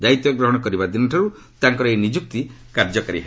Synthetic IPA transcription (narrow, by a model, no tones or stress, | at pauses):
d̪ait̪jɔɡɾɔɦɔɽ̃ɔkɔɾibad̪inɔʈʰaɾu | t̪aŋkɔɾɔenid͡ʒuk̚t̪ikaɾd͡ʒɔkɔɾḭɦ